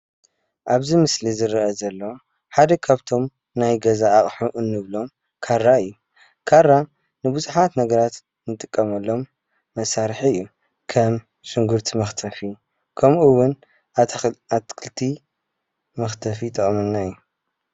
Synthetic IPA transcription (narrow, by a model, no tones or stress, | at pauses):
ʔaβzimɨslizɨɾɐʔɐzɐlːo̞ | ħad̪ɐkʰaβt̪ʰo̞m | najɡɐzaːχʼħuʔɨnːɨβlo̞m | kʰaɾːaɨjːu | kʰaɾːa | nɨbuzuħat̪nɐɡɐɾat̪ | nɨt̪ʼɨkʼːɐmɐlːo̞mː | ɐsaɾħɨjːu | kʰɐm | ʃɨŋɡuɾt̪ʰimɐxt̪ʰɐfi | kʰɐmʔuwʊn | t̪kʰɨlt̪ʰi | mɐxt̪ʰɐfit̪ʰʼɨχʼmɐnːaɨjːu